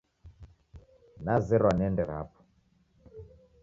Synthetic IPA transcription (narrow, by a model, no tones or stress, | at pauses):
nazɛɾwanɛndɛɾa̰pɔ̥